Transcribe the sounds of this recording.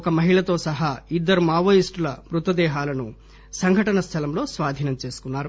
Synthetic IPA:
kɐmɐɦiɭɐt̪o̞ːsɐɦɐid̪ːɐɾumaːʋɐjisʈulɐmɾut̪ɐd̪ɛːɦaːlɐnu | sɐŋɡʱɐʈɐnɐst̪ʰɐlɐmlo̞ːsʋaːd̪ʱiːnɐmt͡ʃe̞ːsu̥kunːaːɾu

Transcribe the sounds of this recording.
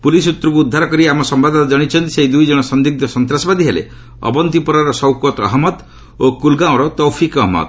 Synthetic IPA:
pulis̬ut̪ːɾɔkuːd̪ʱːaɾɔkɔɾiamɔsɔmbad̪ɔnad͡ʒɔɽ̃it͡ʃʰɔnt̪i̥seɦid̪ujd͡ʒɔɽ̃ɔsɔnd̪ik̚d̪ɔsɔnt̪ɾasɔbad̪ʱiɦelḛ | ɔ̰bɔnt̪ipɔɾaɾɔsɔwkɔt̪ɔ̰ɦmɔt̪ | okulɡãɔ̃ɾɔt̪ɔwpʰikɔɦmɔ̰t̪

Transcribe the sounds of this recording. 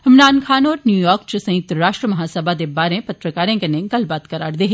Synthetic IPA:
ɦɪmɾaːnkʰaːnɔːɾnjuːjɔːɾk̚t͡ʃsɐ̃jɪk̚t̪ɾaːʃʈɾəmɐɦaːsəbad̪ebaːɾẽpɐt̪ɾəkaːɾẽkɐnẽɡɐlbaːt̪kɐɾaːɾd̪eːɦ

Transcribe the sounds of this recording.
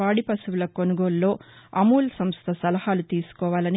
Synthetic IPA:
aːɽipɐsuwulɐkonuɡoːlːo̞ːɐmuːlɐsɐmst̪ʰɐsɐlɐhaːlut̪iːsu̥kɔːʋaːlɐni

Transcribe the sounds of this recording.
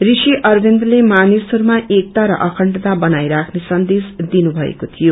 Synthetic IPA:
risiʔʌrbʱend̪ʌlemanisoɾmaʔek̚t̪aɾʌ̰ʔʌkʰʌɳʈʌt̪abʌnajɾakʰnesʌnd̪esd̪inubʱʌḛkot̪ʰijo

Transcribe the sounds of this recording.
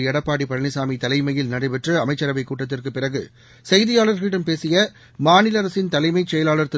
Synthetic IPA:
ɛɽɐpːaːɽipɐɻɐnɪsaːmit̪ɐlɐɪmɐjɪlnɐɽɐɪʋɛʈrɯɐmɐɪt͡ʃːɐɾɐʋɐɪkːuːʈːɐt̪ːɪrkɯpːɪrɐɣɯ | sɛjðɪjaːɭɐɾɣɐɭɪɽɐmpeːsɪjɐ | maːnɪlɐɾɐsɪnt̪ɐlɐɪmɐɪt͡ʃːɛjɐlaːlɐɾt̪ːɯ

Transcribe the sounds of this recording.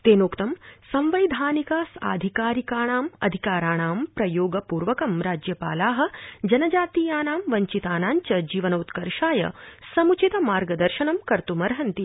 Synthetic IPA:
t̪eːnoːkt̪ɐmsɐ̃mʋɐjd̪ʱaːnikaːsa̰ːd̪ʱikaːɾikaːɳ̃aːmɐ̰d̪ʱikaːɾaːɳ̃aːmpɾɐjoːɡɐpuːɾʋɐkɐmɾaːd͡ʒjɐpa̰ːlaːɦɐ̆d͡ʒɐnɐd͡ʒaːt̪iːjaːnaːmʋɐɲt͡ʃit̪aːnaːɲt͡ʃɐd͡ʒiːʋɐnoːt̪kɐɾʃaːjɐ̰sɐmut͡ʃit̪ɐmaːɾɡɐd̪ɐɾʃɐɳɐmkɐɾt̪umɐɾɦɐnt̪i

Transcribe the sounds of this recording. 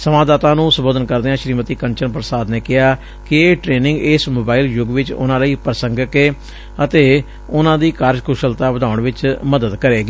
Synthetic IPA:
səmaːd̪aːt̪ãːnũːsəmboːd̪ənkəɾd̪eːãːʃɾiːmət̪iːkəɲt͡ʃənpɾəsaːd̪neːkɪɦaː | kɪeːʈɾeːnɪ̃ŋɡɪːsmoːbaːiːljʊɡʋɪt͡ʃʊ̰nãːləiːpɾəsəŋɡəkeː | ət̪eː | ʊnãːd̪iːkaɾd͡ʒkʰʊʃəlt̪aːʋəd̪aːʊɳʋɪt͡ʃməd̪əd̪kəɾeːɡiː

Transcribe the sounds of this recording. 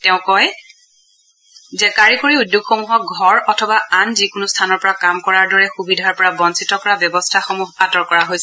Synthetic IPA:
tɛʊ̃kɔj | zɛkaɹikuɹiudjukxoŋɦɔɡʱɔɹɔtʰɔbaanzikʊnʊstʰanɔɹpɔɹakamkɔɹaɹdɔɹɛxubidʱaɹpɔɹabɔnsitɔkɔɹabjɔbɔstʰaxomuɦatɔɹkɔɹaɦojsɛ

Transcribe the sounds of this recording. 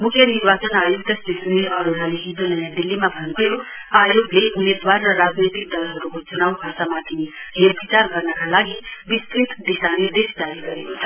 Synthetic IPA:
mukʰjʌniɾbat͡sənajuɡ̚t̪əst̪it̪uniʌɾoɾaliɦid̪unəjad̪ilːimabʱʌnt̪ʰəjo | ajoɡleʔumed̪warːʌɾad͡znet̪ik̚d̪ʌlɦʌɾukot͡sunawbʱat̪amat̪ʰiɦepit͡ʃaɾɡʌɾnakalaɡibisk̪ɾit̪d̪isanid̪esd͡ʒaɾiɡʌɾekot͡sʰʌ

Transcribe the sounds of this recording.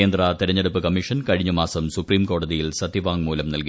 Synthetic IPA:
eːnd̪rɐt̪iɾɐɲːɐɽupːɨkɐmiʂɐnkɐɻiɲːɐmaːsɐmsupriːmko̞ːɽɐðijilsɐt̪ːiʋaːŋmuːlɐmnɐlki

